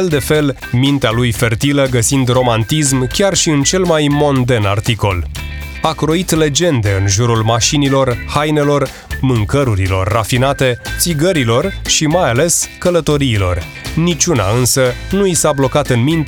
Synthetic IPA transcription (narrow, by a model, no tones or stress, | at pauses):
ld̪e̞fe̞l | mint̪ealujfe̞rt̪iləɡəsind̪ro̞mant̪ismkʲarʃiɨnt͡ʃe̞lmajmo̞nd̪e̞na̰rt̪iko̞l | akɾo̞it̪le̞d͡ʒe̞nd̪e̞ɨnʒuɾulmaʃinilo̞rhajne̞lo̞r | mɨŋkəɾuɾilo̞̰rːafinat̪e̞t̪siɡəɾilo̞rʃimajale̞skələt̪o̞ɾiːlo̞̰r | nit͡ʃuna̰ɨnsənuisablo̞kat̪ɨnmint̪